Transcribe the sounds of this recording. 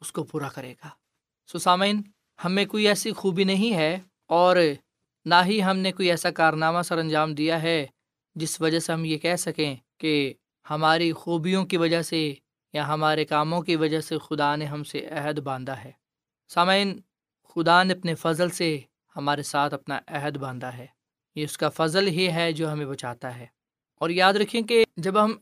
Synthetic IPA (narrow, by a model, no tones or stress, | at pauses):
ʊskopuːɾakɐɾeːɡaː | soːsaːmaiːn | hɐmẽkoːiɛːsixuːbinɐɦĩɦɛː | ɔːɾ | naːɦiɦɐmnekoːiɛːsakaːɾnaːmasɐɾɐ̃nd͡ʒaːmd̪ijaɦɛ | d͡ʒɪsʋɐd͡ʒaseɦɐmjekɛɦsɐkẽːke | hɐmaːɾixuːbijõkiʋɐd͡ʒəɦse | jaɦɐmaːɾekaːmõkiʋɐd͡ʒəɦsexʊd̪aneɦɐmseʔɛɦəd̪bãːnd̪aɦɛː | saːmaːɪn | xʊd̪aneɐpnefɐzlse | hɐmaːɾesaːt̪ʰɐpnaʔɛɦəd̪bãːnd̪aɦɛː | jeʊskafɐzəlɦiɦɛd͡ʒoːɦɐmẽbɐt͡ʃaːt̪aɦɛː | ɔːɾjaːd̪ɾɐkʰːiẽked͡ʒɐbɦɐm